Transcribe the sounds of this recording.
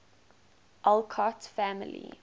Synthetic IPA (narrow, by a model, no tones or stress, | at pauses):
ʔalkʰatfæmɪ̰lḭ